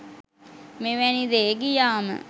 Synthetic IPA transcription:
meʋænid̪eːɡijaːmə̰

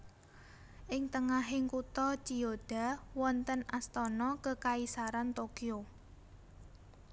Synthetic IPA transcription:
ʔɪŋt̪əŋaɦɪŋkut̪ɔt͡ʃiod̥a̤wɔnt̪ənast̪ɔnɔkəkaisaɾant̪okio

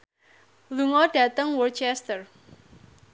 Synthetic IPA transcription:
luŋɔɖ̥a̤t̪əŋwɔrt͡ʃɛst̪ər

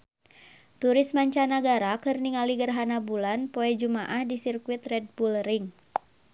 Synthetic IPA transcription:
t̪uɾɪsmaɲt͡ʃanaɡaɾakɨrniŋaliɡərɦanabulanpoɛd͡ʒumaʔahdisirkuwɪt̪rɛd̚bulrɪŋ

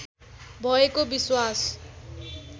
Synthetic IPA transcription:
bʱʌekobiswas

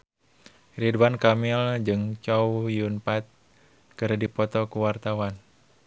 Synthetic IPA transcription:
ridwankamild͡ʒɨŋt͡ʃɔwjunpat̪̚ | kɨɾdipɔt̪ɔkuwart̪awan

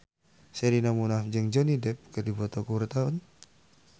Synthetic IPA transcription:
sɛɾinamunafd͡ʒəŋd͡ʒɔnidɛp̚kədibɔt̪ɔkuwɾt̪aʊn

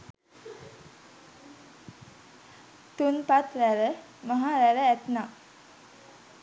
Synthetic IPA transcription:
t̪unpat̪ɾæɾə | maɦaɾæɾəæt̪na

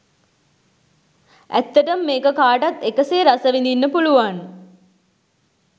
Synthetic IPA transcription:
ʔæ̰t̪ːəʈəmːeːkəkaːʈat̪ːekəseːɾasəʋind̪inːəpuluʋan

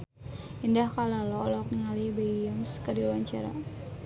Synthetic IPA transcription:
indahkalalɔlɔk̚niŋalibeəŋskədiwwaɲt͡ʃaɾa̰

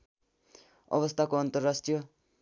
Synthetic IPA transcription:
ʌ̰ʋʌst̪ʰakoant̪əɾːasʈijʌ

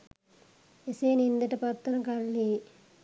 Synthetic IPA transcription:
eseːnind̪ɐʈɐpɐt̪ːɐnɐkɐlːi

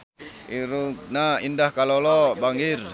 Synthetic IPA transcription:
iɾuk̚naindahkalolobaŋɡir

